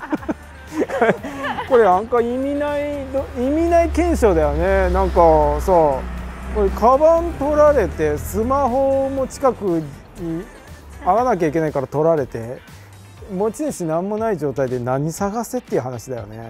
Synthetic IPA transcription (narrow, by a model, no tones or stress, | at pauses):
kko̞ɾe̞ãŋkaimʲinaid̪oimʲinaikẽ̞ɰ̃ɕo̞ːd̪ajo̞ne̞nãŋkasoko̞ɾe̞kʰabãnt̪o̞ɾaɾe̞t̪e̞sɨmaɦo̞mo̞t͡ɕi̥kakɯ̟ | ɲ̟i | aɡanak̬ʲaik̬ʲe̞naikaɾat̪o̞ɾaɾe̞t̪e̞ | mo̞t͡ɕiɲiɕinãmːo̞naiʑo̞ːt̪aid̪e̞nãɲ̟ːisaɡase̞t̪ːeiɯ̟ɦanaɕid̪ajo̞̰ne̞̰